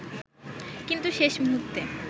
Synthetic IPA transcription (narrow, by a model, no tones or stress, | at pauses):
kint̪uʃeʃmɦut̪ːe